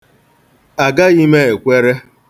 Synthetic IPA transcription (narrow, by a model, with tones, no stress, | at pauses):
a˨ɡa˦i˦me˦e˨kʷe˦ɾe˦